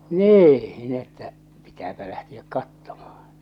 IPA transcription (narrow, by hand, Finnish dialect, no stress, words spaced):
niː n etːæ pitæːpæ læhtiæk kɑtːomɑhɑ̥n̥